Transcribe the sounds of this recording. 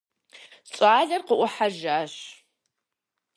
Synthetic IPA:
t͡sʼaːɮɐrqəʔʷʊħaʒaːɕ

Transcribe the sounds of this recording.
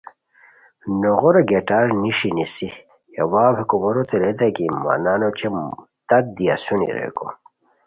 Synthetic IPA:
noɣoɾeɡeʈaɾniʂinisi | ḛwaːbekumoɾot̪eɾed̪ɐɡima̰nanot͡ɕʰe | t̪ɐt̪̚d̪ia̰sunḭɾḛko̰

